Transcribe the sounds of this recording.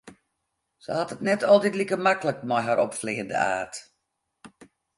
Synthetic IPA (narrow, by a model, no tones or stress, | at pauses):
səhɑtətnɛtʰɔlˠtitlikəmakələk̚mɔjɦaɾɔpfleːəndə̰a̰ːrt